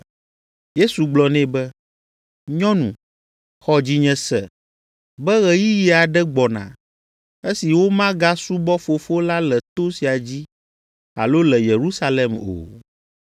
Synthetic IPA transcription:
je˦su˨ɡ͡blɔ˨nɛ̃˦bɛ˦ | ɲɔ̃˦nṵ̃˨ | xɔ˦d͡ʑi˦ɲɛ̃˨sɛ˨ | bɛ˦ɣɛ˨ji˦ji˨˦a˨ɖɛ˦ɡ͡bɔ˨nã̰˨ | e˦si˨wo˦mã˦ɡa˦su˦bɔ˦fo˨fo˦la˦lɛ˨t̪o˦si˨a˨d͡ʑi˦ | a̰˨lo˦lɛ˨je˨ɾu˦sa˦lɛ˨mo̰˨

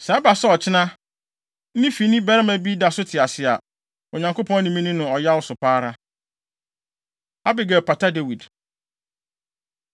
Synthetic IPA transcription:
sɛ˨˦a˦ba˨sɛ˦ɔ˨t͡ɕʰɪ˦nã˦ | n̩˦nĩ˦fi˨˦nĩ˦bɛ˦ɾɪ˦mæ̃˨bi˦da˨sʊ˦tʰɪ˨a˨sɪ˨a˨ | ʊ˨ɲã˨ŋkʰo˦pʰɔ̃˦n˦nĩ˨mĩ˦nĩ˦nʊ̃˨ɔ˨ja˦wʊ˦sʊ˨pʰaː˦ɾa˦ | a˦bɪ˨ɡɛ˨pʰa˨tʰa˦de˨wi˨d

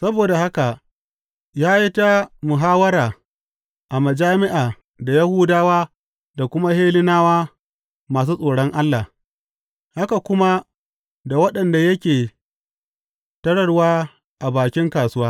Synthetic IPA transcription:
sɐ˦boː˨da˨ha˦ka˨ | jaː˦ji˦ta˦mʊ˨ɦaː˦wɐ˦ɾaː˨ | ʔa˨mɐ˨d͡ʒaː˦mɪ˦ʔaː˨ | da˨ja˦hʊː˦daː˦waː˦ | da˨kʷʊ˦ma˦heː˦lɪ˦naː˦waː˦ | maː˨s̬uː˦sʼoː˨ɽɔ˦ŋʔa˦lːa˨ | ha˦ka˨kʷʊ˦ma˦ | da˨wɐ˦ɗɐ˨nda˨jɐ˦kʲeː˨ | tɐ˦ɽɐ˨ɽwaː˦ | ʔa˨baː˨kʲɪ˦ŋkaː˨sʊ˦waː˦

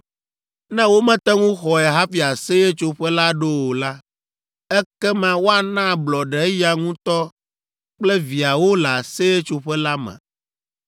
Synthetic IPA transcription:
nɛ̃˦wo˦mɛ̃˦t̪ɛ˦ŋũ˦xɔ˨ɛ˨ɦa˦fi˨a˨se˦e˦t͡ʃo˦ɸɛ˦la˦ɖo˦wo˨la˦ | ɛ˦kɛ˦mã˦wo˦a˨nã˦˨blɔ˨ɖɛ˨˦ja˨ŋũ˦t̪ɔ˦ | k͡plɛ˦vi˨a˨wo˦la˨se˦e˦t͡ʃo˨ɸɛ˦la˦mɛ̰̃˨

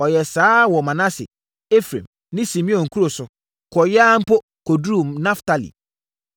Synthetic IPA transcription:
ɔ˨jɛ˨saː˦wɔ˨mã˨nã˦sɪ̰˨ | e˦fɾḛ̃˨m | nɪ̃˦sĩ˨mĩ˦ɔ̃˨ŋ̩˨kʰu˦ɾo˨sʊ˨ | kʰɔ˨jaː˦m̩˦po˦ | kʰo˨du˦˨mnã˦fta˦lḭ˨

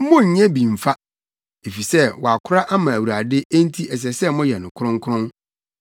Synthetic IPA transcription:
mʊ̃˦ɲ̩˨˦ɲɛ̃˦bĩ˨m̩˨fa˦ | e˨fi˨sɛ˦wɔ˨a˨kʰʊ˦ɾa˦ʔa˦mã˨æ˨wu˨ɾa˨dɪ˦e˦n˦tʰi˦ɛ˨s̬ɛ˨sɛ˦mʊ̃˦jɛ˨nʊ̃˨kʰʊ˦ɾʊ̃˦ŋ˦kʰʊ˦ɾʊ̃˦n

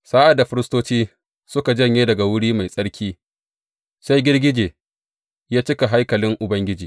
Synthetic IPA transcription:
saː˦ʔa˨da˨ɸɪ˦ɾɪ˦stoː˦t͡ʃiː˦ | sʊ˦ka˨d͡ʒɐ˦˨ɲjeː˦dɐ˨ɡa˨wʊ˦ɽiː˦ma˨jsʼɐ˦ɽkʲʰiː˦ | sa˦jɡʲɪ˦rɡʲɪ˦d͡ʒeː˨ | jaː˦t͡ʃɪ˦ka˨ɦa˦jkɐ˨lɪ˦ŋʔʊ˨bɐ˦ŋɡʲɪ˦d͡ʒiː˨

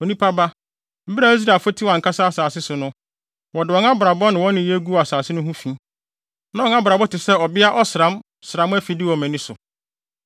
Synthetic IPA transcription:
o˨nĩ˦pʰa˦ba˦ | m̩˦bi˦ɾa˨i˦s̬ɾa˨fo˦tʰi˦wã˨ŋ˨kʰa˦sa˦a˦saː˨sɪ˦sʊ˨nʊ̃˦ | wɔ˨dɪ˨ɔ̃˨˦n˦a˦bʊ˨ɾa˨bɔ˦nɪ̃˨wɔ̃˦nɪ̃˨˦je˦ɡu˦˨a˨saː˨sɪ˦nʊ̃˦ɦũ˦fĩ˦ | nã˦ɔ˨ŋa˦bɾa˨bɔ˦tʰɪ˨sɛ˦ɔ˨bɪ˦a˦ʔɔ˦sɪ˨ɾã˦m | sɪ˨ɾã˨˦m˦æ˦fi˨dɪ˦wɔ˨mɛ̃˨nĩ˦sʊ˨

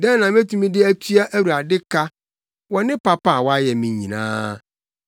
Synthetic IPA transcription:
dɛ̃˦n˦nã˨m˦æ˦tʰũ˨mĩ˦dɪ˦æ˦tʰɥa˦ʔæ˦wɾu˨a˨dɪ˦kʰa˦ | wɔ˨nɪ̃˦pa˦pa˦˨wɔ˦a˦jɛ˨mĩ˨˦ɲĩ˨nã̰ː˦

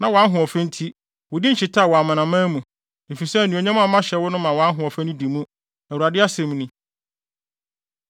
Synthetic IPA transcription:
nã˨wɔ˨a˦nɦʊ̃˨ɔ˨fɛ̃˦n̩˦tʰi˦ | wʊ˨dĩ˦n̩˦t͡ɕɪ˨tʰa˦˨wɔ˨a˨mã˨nã˨mã˦mũ˨ | e˨fi˨sɛ˦˨nũ˨o˨ɲã˦mã˦˨˦mã˦ɕɛ˨wʊ˦nʊ̃˦mã˨wɔ˨a˦nɦʊ̃˨ɔ˨fɛ̃˦nʊ̃˦di˨mũ˦ | æ˨wu˨ɾa˨dɪ˦a˦sɛ̃˨m˨nĩ˨

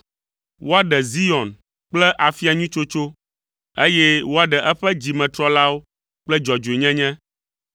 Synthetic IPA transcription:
wo˦a˨ɖɛ˨zi˦ɔ̃˨n | k͡plɛ˦ʔa˨fi˦a˨ɲũ˦t͡ʃo˦t͡ʃo˦ | e˦jɛ˦wo˦a˦ɖɛ˨ʔɛ˦ɸɛ˦d͡ʑi˨mɛ̃˨t̪ɾɔ˦la˦wo˦ | k͡plɛ˦d͡ʒɔ˨d͡ʒo˨e˨ɲɛ̃˦ɲɛ̃˦

